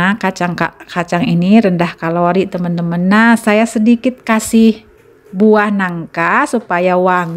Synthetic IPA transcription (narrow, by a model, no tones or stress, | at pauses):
kat͡ʃaŋka̰kat͡ʃaŋiniɾəndahkaloɾit̪əmənt̪əmənːasajasədikɪt̪̚kasɪh | buahnaŋkasupajawaŋ